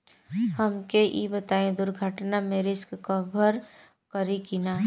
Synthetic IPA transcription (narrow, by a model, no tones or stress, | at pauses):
həmkeʔḭːbət̪aːẽd̪ʊɾɡʱəʈnameːɾeskkəbəɾ | kəɾikinaː